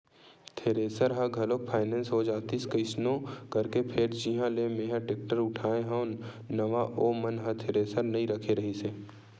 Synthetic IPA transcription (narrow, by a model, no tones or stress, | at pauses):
t̪ʰeːɾeːsəɾɦəɡʱɐlok̚pʰaːɪnɛ̃ːnsɦod͡ʒaːt̪iskəɪsnõkɐɾkepʰeɾd͡ʒiɦãlemeːɦãʈeːk̚ʈəɾʊʈʰaːeɦə̃n | nɐʋaʔoːmɐnɦɐt̪ʰeːɾeːsəɾnɐɦĩɾəkʰeɾɐɦiseː